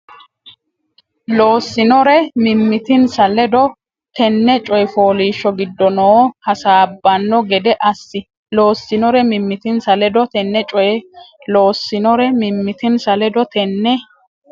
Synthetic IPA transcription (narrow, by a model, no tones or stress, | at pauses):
lo̞ːsːɪnɔɾɛmɪmːɪt̪ɪnsɐlɛd̪ɔ | t̪ɛnːɛt͡ʃʼɔjɛfoːliːʃːɔɡɪd̪ːɔnoːhɐsaːbːɐnːɔɡɛd̪ɛʔɐsːɪ | lo̞ːsːɪnɔɾɛmɪmːɪt̪ɪnsɐlɛd̪ɔt̪ɛnːɛt͡ʃʼɔjɛloːsːɪnɔɾɛmɪmːɪt̪ɪnsɐlɛd̪ɔt̪ɛnːɛ